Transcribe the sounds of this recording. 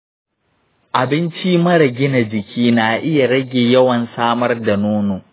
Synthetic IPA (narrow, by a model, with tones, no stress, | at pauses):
ʔa˨bɪ˦nt͡ʃi˦mɐ˦ɽɐ˨ɡʲɪ˦na˨d͡ʒɪ˨kʲʰiː˦naː˨ʔɪ˦ja˨ɽɐ˦ɡʲeː˨jɐ˦wɐ˨nsaː˦mɐ˦rda˨noː˦noː˨